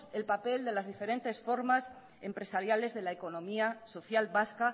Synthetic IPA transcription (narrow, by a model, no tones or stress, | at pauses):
elpape̞ld̪e̞lazðife̞ɾent̪e̞sfo̞ɾmas | e̞mpɾe̞saɾjale̞zðe̞laeko̞nõ̞miaso̞θjalβaska